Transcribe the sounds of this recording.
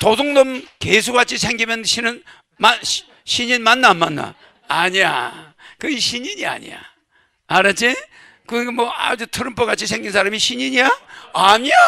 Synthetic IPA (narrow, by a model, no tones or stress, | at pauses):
tosoŋnɯmkes̬ʰuɡat͡ɕʰisʰeŋɡimʌnɕʰinɯn | ma | ɕʰiɲinmanːamanːa̰ | aɲija̰ | kɯiɕʰiɲiɲia̰ɲḭja̰ | aɾat͡ɕʰi | kɯɡemwʌa̰d͡ʑɯtʰɯɾɯmpʰoɣat͡ɕʰis̬ʰeŋɡinsʰaɾamiɕʰiɲiɲijaaɲija